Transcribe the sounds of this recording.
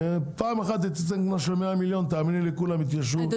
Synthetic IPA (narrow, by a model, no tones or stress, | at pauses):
paːmexat̪̬it̪at͡senknaʃelmeamiljont̪̬aaːminilekulamit̪̬jaʃ̬u